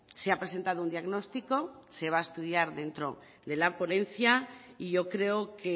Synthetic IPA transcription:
seapɾe̞se̞nt̪að̞ound̪jaɣno̞st̪iko̞se̞β̞aest̪uðjaɾðe̞nt̪ɾo̞̰ | ðe̞lapo̞nẽ̞nθjaiʝo̞kɾe̞oke

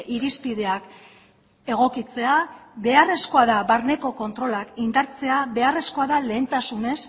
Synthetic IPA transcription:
ʔiɾispið̞e̞ak | e̞ɣ̞o̞kit͡se̞aβe̞are̞sko̞aðaβaɾne̞ko̞ko̞nt̪ɾo̞lakind̪aɾt͡se̞aβe̞are̞sko̞aðale̞ːnt̪asune̞s

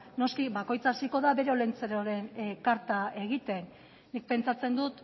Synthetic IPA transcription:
no̞skiβako̞jt͡saːsiko̞ðaβe̞ɾeolent͡seɾoɾe̞nkaɾt̪ae̞ɣit̪e̞nː | ik̚pe̞nt͡sat͡se̞nd̪ut̪

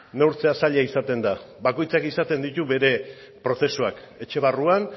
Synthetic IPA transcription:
newɾt͡seasaʎaisat̪e̞nd̪a | βako̞jt͡sakisat̪e̞nd̪it̪uβe̞ɾe̞ | pɾo̞θe̞suak | e̞t͡ʃe̞βaruan

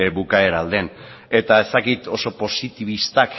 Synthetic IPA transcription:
ebukae̞ɾald̪e̞n | e̞t̪ae̞st̪akit̪o̞so̞po̞sit̪iβ̞ist̪ak

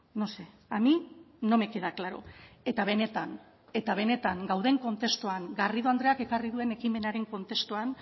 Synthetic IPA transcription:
no̞se | ami | no̞me̞keðaklaɾo̰e̞t̪aβe̞ne̞t̪an | e̞t̪aβ̞e̞ne̞t̪aŋɡawðe̞ŋko̞nt̪e̞st̪oaŋɡariðoand̪ɾe̞ake̞kariðue̞ne̞kime̞naɾe̞ŋko̞nt̪e̞st̪uan

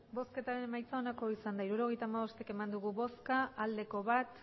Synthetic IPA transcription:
bo̞ske̞t̪aɾe̞ne̞majt͡sao̞nako̞isand̪aiɾuɾo̞ɣ̞e̞jt̪aːmaβo̞st̪eke̞mand̪uɣuβo̞skaːld̪e̞ko̞βat̪

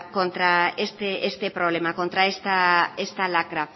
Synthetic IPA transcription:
kont̪ɾaest̪eest̪epɾoβlemakont̪ɾaest̪aest̪alakɾa

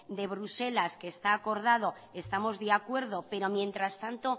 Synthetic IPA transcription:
d̪e̞βɾuse̞laske̞ːst̪aːko̞ɾðað̞o̞ | e̞st̪amo̞zðeakwe̞ɾð̞o̞pe̞ɾo̞mjẽ̞nt̪ɾast̪ant̪o̞

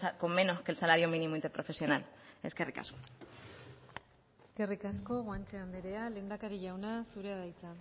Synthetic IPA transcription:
ako̞mːe̞no̞ske̞lsalaɾjomĩnimoint̪eɾpɾo̞fe̞sjo̞nale̞ske̞rika̰sko̞ | eske̞rikasko̞ɣwant͡ʃeand̪eɾe̞ale̞ːnd̪akaɾiʝawnasuɾeaðajt͡sa

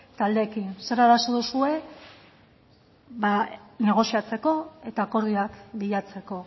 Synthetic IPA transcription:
t̪ald̪e̞ːkinse̞ɾaðasoðusue̞ | βane̞ɣ̞o̞siat͡se̞ko̞e̞t̪aːko̞ɾðiakbiʎat͡se̞ko̞

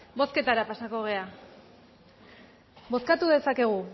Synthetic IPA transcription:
bo̞ske̞t̪aɾapasako̞ɣ̞e̞a | bo̞skat̪uðe̞sake̞ɣ̞u

